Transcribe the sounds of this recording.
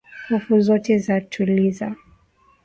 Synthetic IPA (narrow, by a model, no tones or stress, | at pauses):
hufuzɔtɛzatʰuliza